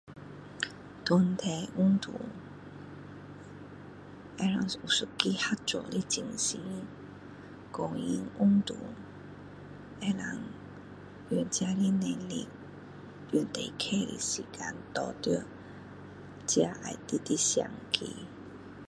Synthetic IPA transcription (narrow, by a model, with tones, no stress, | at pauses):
t̪ʊ˧˩nt̪ʰe˧˩ʔu˥ŋt̪ṵ˨˩˨ | ɛ˧la˨˩ŋu˨˩su˧˨ki˦ha˥t̚t͡sɔ̰˨li˦t͡ɕi˨ŋsi˧˦ | kɔ˧ŋi˧˥ŋu˥ŋt̪ṵ˨˦ | ɛ˧la˨˩ŋ | ɛ˨˩nt͡ɕja˧li˦nɛ˧nlḭ˧ | ju˨˩nt̪e˨˩kʰe˥˦lḭ˨si˨˩kʰa˧nt̪ɔ˧˩t̪i˥˦ | t͡ɕja˧ʔa̰˨˩jt̪i˧˥t̪i˦ɕja̰˨˩ŋkʰḭ˧˦